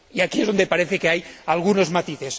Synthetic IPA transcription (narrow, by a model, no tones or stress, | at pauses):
iakiezðo̞nd̪epaɾeθekeajalɣuno̞zmat̪iθe̞s